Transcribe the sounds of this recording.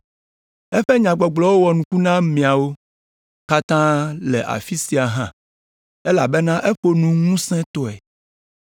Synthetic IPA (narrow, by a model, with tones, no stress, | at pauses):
ɛ˦ɸɛ˦ɲã˨ɡ͡bɔ˨ɡ͡blɔ˨wo˦wɔ˨nũ˨ku˦nã˦mĩ˨a˨wo˦ | ka˦t̪ã˦lɛ˨ʔa̰˨fi˦si˨a˨ɦã˦˨ | e˦la˨be˦nã˦ʔe˦ɸo˦nũ˦ŋũ˦sɛ̃˦t̪ɔ˦ɛ˨